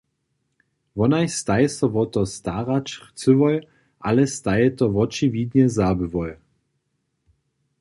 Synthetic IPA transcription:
vɔnajst̪ajɛsɔvɔt̪ɔst̪aʁat͡ʃχt͡sɨvɔj | ʔalɛst̪ajɛt̪ɔvɔt͡ʃivid̪ɲɛzabɨvɔj

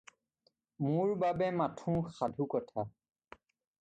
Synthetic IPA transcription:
mʊɹbabɛmatʰũxadʱukɔtʰa

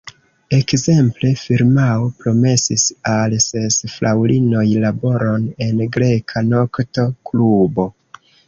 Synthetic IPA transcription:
e̞kze̞mple̞fiɾmaopɾo̞me̞sisalse̞sflʔawlino̞jlabo̞ɾo̞ne̞nɡɾe̞kʰano̞kto̞klubo̞

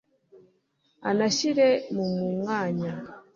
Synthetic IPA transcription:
a̰naʃiɾɛmumuŋaɲa

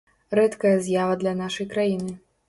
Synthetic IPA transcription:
ɾɛt̪kɐjɐzʲjavɐd̪lʲɐnaʂɐjkɾajinɨ

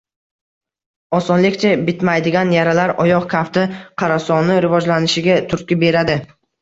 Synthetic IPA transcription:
ɒsɒnlɪkʲt͡ʃʰabɪt̪majd̪ɪɡʲanjaɾalaɾɒjɒqkʲʰaft̪ɪqʰɑɾasɒnɪɾɪvɒd͡ʒlanɪʃɪɡʲat̪ʰʊɾ̚kʲɪbe̞ɾad̪ɪ

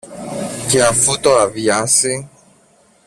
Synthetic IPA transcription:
keafut̪oaviasɪ

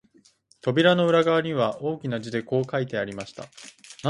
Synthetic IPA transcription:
t̪o̞bʲiɾano̞ɯ̟ɾaɡaβaɲ̟iβaʔo̞ːkʲinad͡ʑid̪eko̞ːkait̪e̞aɾʲimaɕi̥t̪a̰na

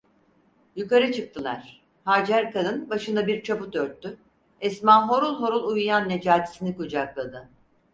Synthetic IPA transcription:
jykaɾɯt͡ʃʰɯk̚t̪ʰɯlˠa̰ɾ̥ | haːd͡ʒæɾkanɯnbaʃɯnd̪abiɾt͡ʃʰaput̪øɾt̪ʰːy | ɛsmanɦo̞ɾulˠɦo̞ɾulˠujujanːed͡ʒaːt̪ʰi̥sinikud͡ʒaklˠad̪ɯ

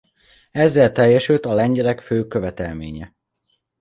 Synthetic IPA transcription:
ɛzːɛlt̪ɛjːɛʃylt̪ɒlɛɲɟɛlɛkføːkø̞vɛt̪ɛlmḛːɲɛ

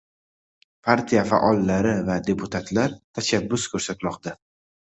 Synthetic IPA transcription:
pʰaɾt̪ʰijafa̰ʔɒlˠːaɾɪvad̪e̞pʰʊt̪ʰat̪laɾt̪ʰaʃabːʊskʲʰɵɾsat̪lɒqd̪a

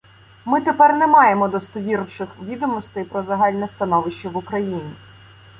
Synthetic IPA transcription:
mɪt̪epɛrnɛmɑjemɔd̪ɔst̪ɔʋʲiɾʃɪxʋʲid̪ɔmɔst̪ɐjpɾɔzɐɦɑlʲnɛst̪ɐnɔʋɪʃt͡ʃɐʋʊkɾɐjinʲi

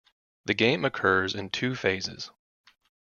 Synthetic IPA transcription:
ðɨɡẽɪ̃mɨkʰɜ˞zɨ̃ntʰʉfeɪzɪ̰z̥

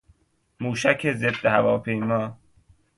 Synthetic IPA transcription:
muːʃækʰezed̪ːehævɒːpʰejmɒː

